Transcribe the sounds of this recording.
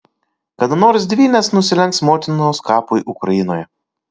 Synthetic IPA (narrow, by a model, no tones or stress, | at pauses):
kɐd̪ʊnoːɾsʲd̪ʲʋʲiːnʲesnʊsʲɪlʲɛŋksmoːt̪ʲɪnoːskɑːpʊjʔʊkɾɐjɪnoːjɛ